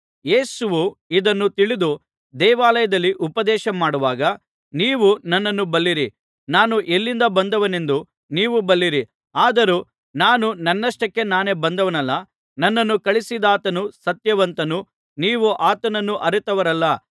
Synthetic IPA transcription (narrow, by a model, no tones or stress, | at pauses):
je̞ːsuʋuid̪ɐnːut̪iɭid̪u | d̪ɛːʋaːlɐjɐd̪ɐlːiʔupɐd̪ɛːʃɐmaːɽuʋaːɡɐ | niːʋunɐnːɐnːubɐlːiɾi | naːnuʔelːind̪ɐbɐnd̪ɐʋɐne̞nd̪u | niːʋubɐlːiɾi | aːd̪ɐɾuː | naːnunɐnːɐʂʈɐkːe̞naːne̞bɐnd̪ɐʋɐnɐlːɐ | nɐnːɐnːukɐɭisid̪aːt̪ɐnusɐt̪jɐʋɐnt̪ɐnu | niːʋuʔaːt̪ɐnɐnːuʔɐɾut̪ɐʋɐɾɐlːɐ